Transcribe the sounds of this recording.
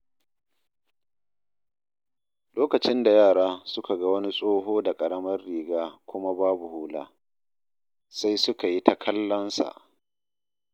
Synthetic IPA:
loː˦kɐ˨t͡ʃɪ˦nda˨jaː˦˨ɽaː˦sʊ˦ka˨ɡa˦wɐ˦ni˦sʼoː˦ɦoː˦da˨kʼɐ˨ɽɐ˦mɐ˦rːiː˨ɡaː˦kʷʊ˦ma˦baː˦bu˨huː˦la̰ː˦ | sa˦jsʊ˦ka˨ji˦tʰa˦kʰɐ˦lːɐ˦nsa̰˨ʔ

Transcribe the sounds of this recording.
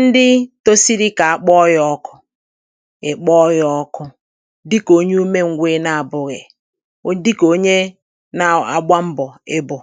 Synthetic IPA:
n̩˦dɪ˦to˦si˦ɾi˦ka˨a˨k͡pɔ˦jɔ˦kʊ˦ | ɪ˨k͡pɔ˦jɔ˦kʊ˦ | dɪ˦ko˦ɲe˦u˦me˦ŋ̩˨ɡʷeː˦na˨a˨bʊ˨ɣɪ˨ | o˦di˦ko˦ɲe˦ | na˨a˨ɡ͡bʷa˦m̩˦bɔ˨ɪ˦bʊ˨

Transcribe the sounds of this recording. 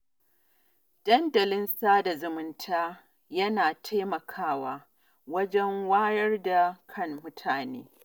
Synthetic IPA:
d̥ɐ˦ndɐ˨lɪ˦nsaː˦da˨zʊ˨mʊ˦ntʰaː˦ | jɐ˦naː˨tʰa˦mɐ˨kʰaː˦waː˦ | wɐ˦d͡ʒɛ˦ŋwaː˦jɐ˦rda˨kʰɐ˦ŋːʊ˦tʰaː˨nḛː˦

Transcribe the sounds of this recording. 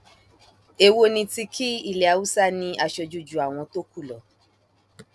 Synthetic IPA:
e˧wo˦nĩ˧ti˧ki˦i˦˨lɛ˨a˨wu˦sa˦nĩ˧ʔa˧ʃɔ˧d͡ʒu˧d͡ʒu˨a˨w̃ɔ̃˧to˦ku˦˨lɔ˨

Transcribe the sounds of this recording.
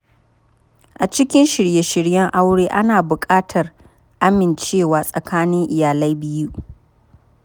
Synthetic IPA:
ʔa˨t͡ʃɪ˦kʲɪ˦nʃɪ˨ɽje˦ʃɪ˨ɽjɛ˦ŋʔa˦wɽeː˦ʔa˦naː˨bʊ˨kʼaː˦tʰɐ˨r | ʔa˦mɪ˨nt͡ʃeː˦˨waː˨sʼɐ˨kʰaː˦nɪ˦ŋʔɪ˨jaː˨la˦jbɪ˦ju˦

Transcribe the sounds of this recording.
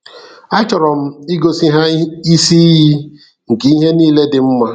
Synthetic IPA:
a˦t͡ʃɔ˨ɾɔ˨m̩˦i˦ɡo˦si˦ɦa˦i˦si˦ɦi˦ | ŋ̩˨ki˦ɦe˦niː˦le˦dɪ˨m̩˦ma˦

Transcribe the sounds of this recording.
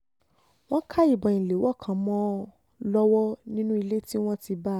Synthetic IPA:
w̃ɔ̃˦kʰa˦i˦˨bɔ˨ĩ˨le˨˦wɔ˦˨kʰã˨˦mɔ̃˦ | lɔ˦wɔ˦nĩ˦nũ˦i˧le˦ti˦w̃ɔ̃˦ti˧ba˦

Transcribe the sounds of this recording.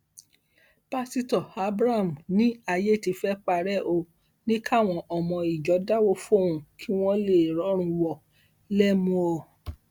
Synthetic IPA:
pa˦si˧tɔ˨a˧bɾa˦˨m̩˨nĩ˨˦a˧je˦˨ti˧fɛ˦k͡pa˧ɾɛ˦ʔo˧ | nĩ˦kʰa˦˨w̃ɔ̃˧ʔɔ˨mɔ̃˧i˨d͡ʒɔ˨˦da˦wo˦fo˦˨ũ˨kʰi˦w̃ɔ̃˦le˦˨ɾɔ˨˦ɾ̃ũ˧wɔ˨ | lɛ˦mũ˧o˨

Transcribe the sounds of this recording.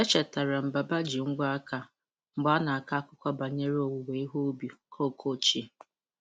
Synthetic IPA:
e˦t͡ʃɛ˨ta˨ɾa˨m̩˨ba˨ba˦d͡ʒi˨ŋ͡m̩˦ɡ͡ba˦a˦ka˨ | ŋ͡m̩˨ɡ͡ba˦na˨a˨ka˦kʊ˦kʷa˦ba˨ɲe˦ɾo˨wu˨we˨˦i˦ɦo˦bi˨kʰo˦˨kʰo˦˨t͡ʃi˦e˨

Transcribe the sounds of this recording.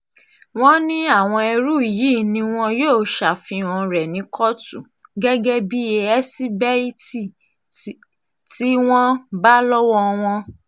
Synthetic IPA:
w̃ɔ̃˦nĩ˦a˦˨w̃ɔ̃˧ɛ˧ɾu˦i˨ji˨˦˨nĩ˧w̃ɔ̃˧joː˦˨ʃa˨fĩ˧ɔ̃˧˨ɾɛ˨nĩ˨˦kʰɔ˦tu˨ | ɡɛ˦ɡɛ˦bi˦e˧ɛ˦si˦bɛ˦i˦ti˦˨ | ti˦w̃ɔ̃˦ba˦lɔ˦wɔ˧w̃ɔ̃˧

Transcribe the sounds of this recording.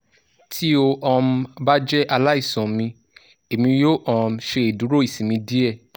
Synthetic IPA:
tʰi˦o˧ʔɔ̃˧m̩˧ba˦d͡ʒɛ˦ʔa˧la˦i˦˨sɔ̃˨mĩ˧ | e˨mĩ˧jo˦˨ʔɔ̃˦˨m̩˧ʃe˧e˨du˨˦ɾo˦˨i˨sĩ˨mĩ˧di˦ɛ˦˨

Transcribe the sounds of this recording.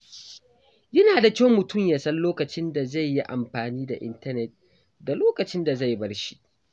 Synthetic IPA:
jɐ˦naː˨da˨kʲa˦wmʊ˨tʊ˦˨mja˨sɐ˦nloː˦kɐ˨t͡ʃɪ˦nda˨za˦˨jːi˦ʔa˨mɸaː˨niː˦da˨ʔɪ̰˦ntɐ˦nɛ˨t̚ | da˨loː˦kɐ˨t͡ʃɪ˦nda˨za˦˨jbɐ˦ɽʃi̥˦ʔ

